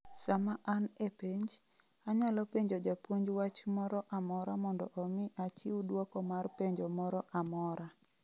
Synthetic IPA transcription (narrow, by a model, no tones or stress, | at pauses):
samaʔanepeɲd͡ʒ | aɲalɔpeɲd͡ʒod͡ʒapwoɲd͡ʒwat͡ʃmɔɾɔʔamɔɾamɔndɔʔɔmɪʔat͡ʃiwudwɔkɔmarpeɲd͡ʒomɔɾɔʔamɔɾa